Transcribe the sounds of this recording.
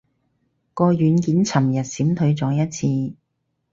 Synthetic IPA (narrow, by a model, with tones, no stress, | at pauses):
kɔː˧jyː˨˥nkiː˨˥nt͡sʰɐ˨˩mjɐ˨˩t̚siː˨˥mt̪ʰɵ˨˧˥ɥt͡sɔː˨˥jɐ˥t̚t͡sʰiː˧